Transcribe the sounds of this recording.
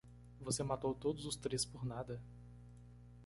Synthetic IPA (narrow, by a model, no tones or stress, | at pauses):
vosemat̪owt̪od̪ʊzʊst̪ɾespoɾnad̪ɐ